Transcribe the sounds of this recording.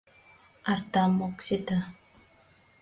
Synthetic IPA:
aɾt̪amɔksit̪a

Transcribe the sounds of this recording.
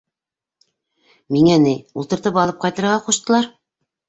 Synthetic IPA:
miŋænɘjulˠt̪ɤ̆ɾt̪ɤpɑlˠɤp̚qɑjt̪ɤ̆ɾʁɑquʃt̪ɤ̆lˠɑɾ

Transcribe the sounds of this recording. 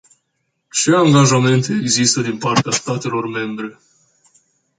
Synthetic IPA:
t͡ʃe̞aŋɡaʒame̞nt̪e̞ːɡzist̪əd̪inpart̪east̪at̪e̞lo̞rme̞mbɾe̞

